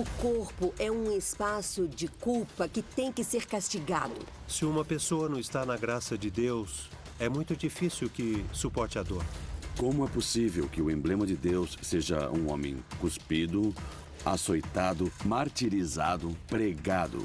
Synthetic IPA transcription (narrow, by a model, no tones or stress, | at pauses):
ʊkoɾpʊʔɛũɪspasʊd͡ʒɪkuwpɐkɪt̪ẽj̃kɪseɾkast͡ʃiɡa̰d̪ʊ | sɪũmɐpesoɐnɐ̃w̃ɪst̪anɐɡɾasɐd͡ʒɪd̪ews | ɛmũj̃t̪ʊd͡ʒifisiwkɪsupɔɾt͡ʃɪɐd̪oɾkõmʊɛposivewkɪʊẽmblẽmɐd͡ʒɪd̪ewsːeʒɐ̰ũõmḛ̃j̃kuspid̪ʊ | a̰sojt̪ad̪ʊmaɾt̪iɾizad̪ʊpɾeɡad̪ʊ̰